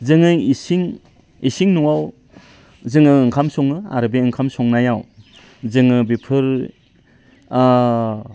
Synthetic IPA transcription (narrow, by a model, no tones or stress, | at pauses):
zɯŋɯisiŋ | isiŋnuwaw | zɯŋɯːŋkʰamsɔŋɯa̰ɾɯbeɯŋkʰamsɔŋnajaw | zɯŋɯbipʰɯɾ